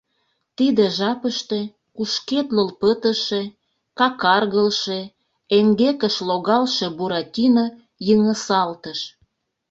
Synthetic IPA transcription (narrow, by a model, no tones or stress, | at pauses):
t̪id̪ĕʒɑpəʃt̪e̽ | kuʃket̪ləlpət̪əʃe | kɑkɑrɣəlʃe | eŋɡekəʃloɣɑlʃebuɾɑt̪ʲino | jəŋəsɑlt̪əʃ